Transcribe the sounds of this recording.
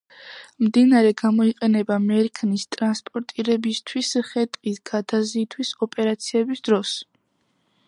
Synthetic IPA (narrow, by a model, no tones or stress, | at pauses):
md̪inaɾɛɡamɔiqʼɛnɛbamɛɾkʰnist̪ʼɾanspʼɔɾt̪ʼiɾɛbist̪ʰwisχɛt̪ʼqʼisɡ̥ad̪aziːt̪ʰwisɔpʼɛɾat̪sʰiɛbisd̪ɾɔs